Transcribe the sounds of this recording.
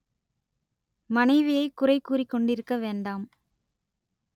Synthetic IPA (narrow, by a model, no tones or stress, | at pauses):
mɐnɐɪʋɪjɐɪkːʊrɐɪkːuːrɪkːɔɳɖɪɾɯkːɐʋeːɳɖaːm